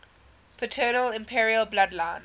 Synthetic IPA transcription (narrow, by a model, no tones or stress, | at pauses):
pʰətʰɜːnəlɪ̃mpʰiɹiəlˠbladlãɪ̃n